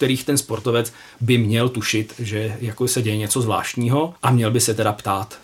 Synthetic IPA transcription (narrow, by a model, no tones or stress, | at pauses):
t̪ɛɾiːxt̪ɛnspo̞ɾt̪ovɛt͡s | bɪmɲɛlt̪uʃɪt̪ʒɛjakosɛɟɛjɛɲɛt͡sozvla̰ːʃt̪ɲiːɦo̞ʔamɲɛlbɪsɛt̪ɛdapt̪aːt̪